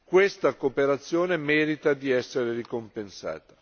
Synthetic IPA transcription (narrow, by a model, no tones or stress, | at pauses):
kwest̪akoːpeɾat̪sːjoːnemɛːɾit̪ad̪iɛsːeɾerikompensa̰ːt̪ḁ